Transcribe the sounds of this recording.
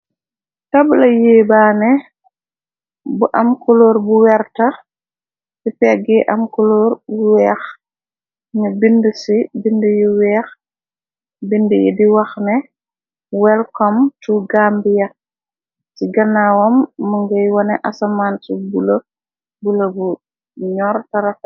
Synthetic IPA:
tabulɐjeːbaːnɛ | buʔamkulɔːɾbuwɛɾta | sipɛɡɛʔa̰mkulɔːɾbuwɛːx | ɲɐbindəsibindəjiwɛːx | bindəjɛ̰diwɐxnɛ | wɛlkɔmtuɡambijɐ | siɡɐnawɔmːuŋɡɐjwɔnɛʔasamaːntibulɐ | bulɐbu | ɲɔːɾtɐɾɐf

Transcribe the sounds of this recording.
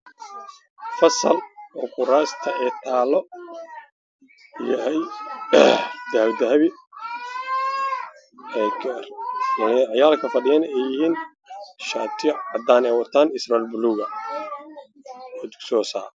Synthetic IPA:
fɐsɐ̰lɔːkʊɾaːst̪ʰɐʔɛːt̪ʰaːlɔ | jɐɦɛj | d̪̥ɐhβd̪ɐɦɐβɪ | ɛɡɐrmɐnʕjaːlkʰɐfɐɖɪjɐnɛjːɪhiːn | ʃaːt̪ʰɪjʕɑd̪aːnɛjwɐt̪ʰaːnɪsralbʊluːɣɐ | ɔd̪ʊksɔːsa̰ː

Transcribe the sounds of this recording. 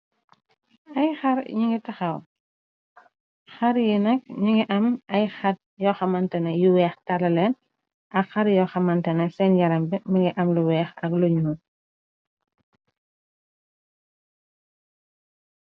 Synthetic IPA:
ɐjxɐɾɲiŋɡitɐxɐw | xɐɾjinɐk̚ɲiŋɡiʔɐmɐjxɐt̚jɔxɐmɐntɐnɛjuwɛːxtɐlɐlɛn | ʔɐkxɐɾjɔxɐmɐntɐnɛsɛnjɐɾɐmbimɐŋɡiʔɐmluwɛːxɐkluɲuː

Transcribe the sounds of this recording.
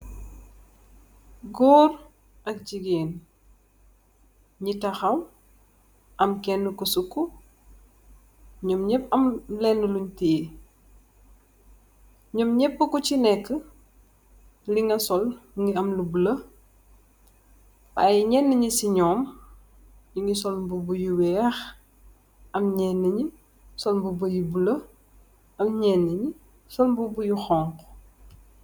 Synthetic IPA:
ɡɔːr | ʔɐk̚ɟiɡɛːn | ɲitɐxɐw | ʔɐmkɛnːəkusukːu | ɲɔmɲɛpːɐmlɛnːəluɲteː | ɲɔmɲɛpːəkut͡ʃinɛkːə | liŋɡɐsɔlŋɡiɐmlubulɐ | ba̰jɲɛnːəɲisiɲɔːm | jiŋɡisɔlmbubujuwɛːx | ɐmɲɛnːəɲi | sɔlmbubəjubulə | ɐmɲɛnːəɲi | sɔlmbubujuxɔːŋk

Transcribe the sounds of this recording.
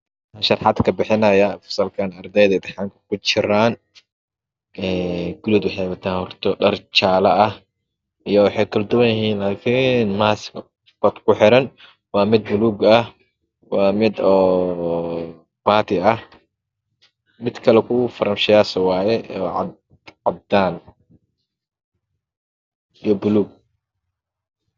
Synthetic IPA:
anʃɐrħɑd̪kʰɐbɪħɪnɐjɐfʊ̥sɐlkʰaːnɐrd̪ɛjðɐd̪ɛħaːŋkʰɐ̥kʰʊt͡ʃɪɾaːn | ɛːɡʊlɔːd̪wʊħɛjwɐt̪ʰaːnhɔrt̪ʰɔɖɐrt͡ʃaːlɐʔɐh | ijɔwɑħɑjkʰʊld̪ʊwɐjɪɦiːnlaːkʰinmaːs | bɐd̪kʰʊħɪɾɐn | wɑːmɪd̪̚bʊluːɡɐh | wɑːmɪd̪ɔː | b̥aːt̪ʰɪɐh | mɪd̪kʰɐlɛkʰʊfɐɾɐmʃɪjaːsɐwaːjɛɔː | ʕɑd̪aːn | ijɔbʊluːɡ̚

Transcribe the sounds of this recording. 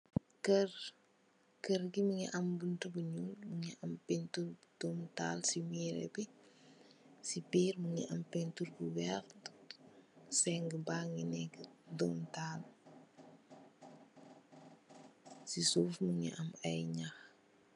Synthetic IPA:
kər | kəɾɡimuŋiʔɐmbuntəbuɲulmuŋiʔɐmpɛnturdumtaːlsiwiːɾɛ̰bɛ | sipiːrmuŋḭʔɐmpɛnturbuwɛx | sɛŋɡəbaːŋinɛkːdɔmtaːl | sisuːfmuŋḭʔɐmɐjɲax

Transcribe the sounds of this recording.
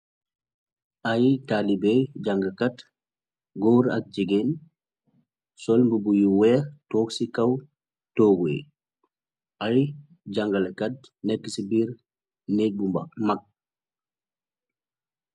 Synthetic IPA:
ʔajtalibejɟɐŋɡɐkɐt | ɡoːɾɐ̰k̚d͡ʒiɡen | sɔlmbubujuwɛːtɔːksikɐw | toːɡe | ʔaj | ɟɐŋɡɐlekɐt̚nɛkːəsibiːɾ | neːk̚bumbɐmɐk̚

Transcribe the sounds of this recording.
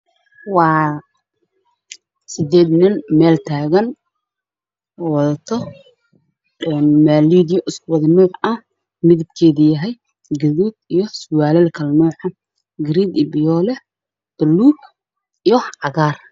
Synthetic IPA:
wɑː | sɪd̪ɛːd̪nɪnmɛːlt̪ʰaːɣɐn | ɔwɐðɐt̪ʰɔ | ɛnmaːliːd̪jɔʔɪskʰʊwɐðɪmuːħɐh | mɪðɪb̪̚kʰɛːðɪjɐɦɛj | ɡɐðuːd̪̚ijɔsʊwaːlɛlkʰɐlmuːħɑ | ɡɪɾiːd̪ibɪjɔːlɛ | d̪̥ɐluːb̚ | ijɔʕɑɣaːr

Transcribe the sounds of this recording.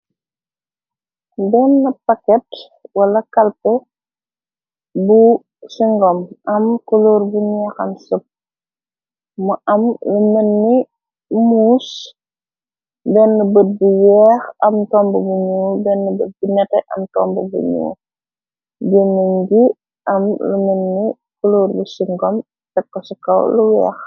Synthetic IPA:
bɛnːɐpɐkɛt | wɐlɐkɐlpɛ | bu | siŋɡɔmʔɐmkɔloːɾbuɲɛxɐ̰msəp̚ | mɐʔɐmunɐnːi | muːs | bɛnːəbət̚buwɛːxɐmtɔmbubuɲuːbɛnːəbət̚buɲɐtɛʔɐ̰mtɔ̰mbəbṵɲṵː | ɟenːəɲɡi | ʔɐmlumənːi | koloːrbusiŋɡɔm | tɛkːɔsukɐ̰wluwɛ̰ːx

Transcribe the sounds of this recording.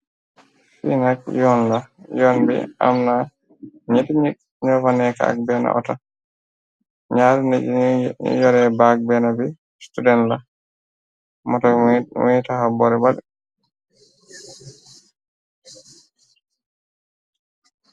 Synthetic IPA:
fḭnak̚jɔnlajɔnbɛ̰a̰mna | ɲitɲit̚ | ɲɔfanɛka̰a̰k̚bɛːna̰ʔɔ̰ta | ɲaːɾniḭjɔɾɛbak̚bɛnabi | studɛnla | mɔtɔwitahabɔɾɛbalɛ

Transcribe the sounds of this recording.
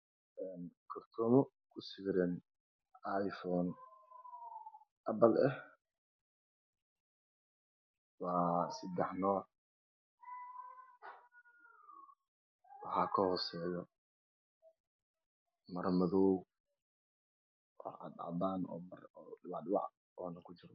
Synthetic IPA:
ɛːnkʰɐrt̪ʰɔmɔ | kʰʊsɪːɾɛn | ʔajfɔːn | ʔɐbɐlɛh | wɑːsɐd̪ɛħnɔːr | wɑħɑːkʰɐhɔsɛːjɔ | mɐrmɐðɔːw | wʔɑ̰ħɑ̰ɑ̰ʕdaːnɔ̰ːmɐrwɑʕdwɑ̰ʕ | ɔːnɐkʰʊt͡ʃɪɾɔ

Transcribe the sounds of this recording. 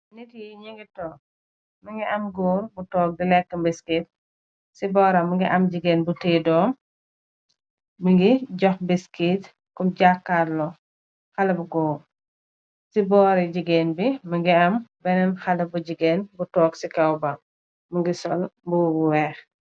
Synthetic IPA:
nitijiɲiŋɡitɔːk̚ | mɐŋɡiʔɐmɡɔːɾbutɔːk̚dilɛkːəmbiskit̚ | sibɔːɾɐmuŋɡiʔɐmɟiɡeːnbuteːdɔːm | miŋɡiɟɔxbiskit | kɔmɟakːaɾlɔ | xɐlɐbuɡɔːɾ | sibɔːɾiɟiɡeːnbiməŋɡiɐmbɛnɛnxɐlɐbuɟiɡeːnbutɔːksikɐwba | muŋɡisɔlmbubuwɛːx

